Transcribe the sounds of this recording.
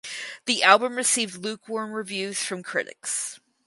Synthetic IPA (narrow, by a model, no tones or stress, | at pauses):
ðiʔælˠbə̃mɹɨsivdˡlʉkʰwɔɹnɹɨvjʉz̥fɹʌ̃mkʰɹ̥ɪ̰ɾɨ̰ks